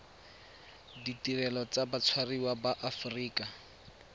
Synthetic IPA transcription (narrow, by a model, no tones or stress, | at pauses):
ditirɛlɔt͡sabat͡sʰwariwabaʔafuriːka